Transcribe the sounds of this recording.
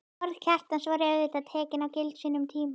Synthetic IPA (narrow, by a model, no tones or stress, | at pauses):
ɔɾðcʰar̥t̪ansvaɾɛvɪt̪aðt̪ʰɛːcɪnawcɪlt̪siːnʏmt̪ʰiːm